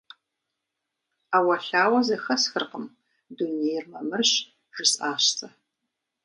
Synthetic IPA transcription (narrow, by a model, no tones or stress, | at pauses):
aːwɐɬaːwɐzɐxɐsxɨrqəm | dunejrmɐmɨrɕ | ʒ̥ɨsaːɕt͡sʰʼɐ